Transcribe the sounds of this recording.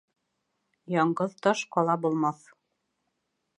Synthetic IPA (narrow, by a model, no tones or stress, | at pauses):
jɑɴɢɤðt̪ɒʃqɒlˠɑbulˠmɑθ